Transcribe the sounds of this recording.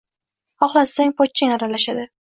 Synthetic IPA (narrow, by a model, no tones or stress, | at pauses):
hɒχlasaŋʲpɒt̪̚t͡ʃʰːaŋaɾalaʃad̪ɪ